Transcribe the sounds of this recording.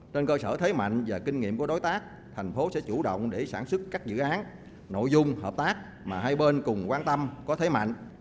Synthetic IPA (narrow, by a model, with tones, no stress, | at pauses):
t͡ɕe˧nkəː˧səː˧˩t̪ʰe˨˦jma̰˧˨jŋ̟vaː˨˩ki˧ŋ̟ŋḭ˧əmku˧˩əɗo˨˦jt̪aː˦˥k̚ | t̪ʰɛ˨˩jŋ̟fo˨˦sɛ̰˧˥t͡ɕu˧˩ɗə̰˧˨wŋ͡mɗe˧˩saː˧˩nswɨ˦˥kːaː˦˥k̚zɨ̰˧˨ʔaː˨˦n | no̰˧˨jzʊ˧ŋ͡mhəː˨˩p̚t̪aː˦˥k̚ | maː˨˩ɦa˧jɓe˧nkʊ˨˩ŋ͡mkwaː˧nt̪ə˧mkɔ˨˦t̪ʰe˨˦jma̰˧˨jŋ̟ʔ